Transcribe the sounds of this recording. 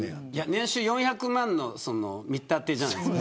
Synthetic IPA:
janẽ̞ɰ̃ɕɨːjõ̞ɰ̃çakɯ̟mãnːo̞̰sono̰mʲit̪ːat̪eːd͡ʑana̰id̪esk

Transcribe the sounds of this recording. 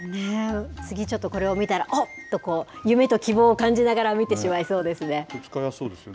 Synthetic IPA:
net͡sɨɡʲit͡ɕo̞t̪ːo̞ko̞ɾe̞o̞mʲit̪aɾaʔot̪ːo̞ko̞ːjɯ̟me̞t̪o̞kʲibo̞ːkãɲ̟d͡ʑinaɡaɾamʲit̪e̞ɕimaiso̞ːd̪e̞sɨne̞okʲi̥kajasoːd̪esɨ

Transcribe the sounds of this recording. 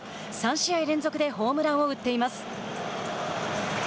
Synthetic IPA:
sãɰ̃ɕiaiɾẽ̞nzo̞kɯ̟d̪e̞ho̞ːmɯ̟ɾãɰ̃o̞ɯ̟t̪ːe̞imasɨ̥

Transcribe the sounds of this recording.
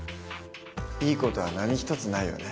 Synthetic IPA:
iːko̞t̪o̞βanaɲ̟içi̥t̪o̞t͡sɨnaijo̞̰ne

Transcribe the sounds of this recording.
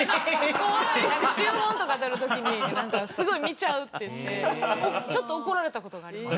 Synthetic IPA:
konãŋkat͡ɕɨːmõ̞nt̪o̞kad̪eɾɯ̟t̪o̞kʲiɲ̟inãŋkasɨɡo̞imʲit͡ɕaɯ̟t̪ːe̞jɯ̟t̪ːe̞t͡ɕo̞t̪ːoːko̞ɾaɾe̞t̪ako̞t̪o̞ɡaːɾʲima

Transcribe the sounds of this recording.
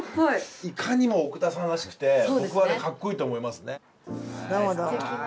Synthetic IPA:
oiikʰaɲ̟imo̞ːkɯ̟t̪asãɾaɕi̥kɯ̟̥t̪e̞obokɯβad̪ekakːo̞iːt̪oːmo̞imasɨne | naɦod̪o

